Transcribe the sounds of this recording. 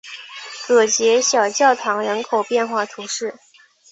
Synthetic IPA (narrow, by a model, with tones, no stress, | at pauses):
kɤ˨˩t͡ɕjɛ˧˥ɕjɑ˨˩ʊt͡ɕjɑ˥˩ʊt̪ʰɑ˧˥ŋɻə˧˥nkʰo˨˩ʊpjɛ˥˧nxwa˥˩t̪ʰu˧˥ʂɻ̩˥˩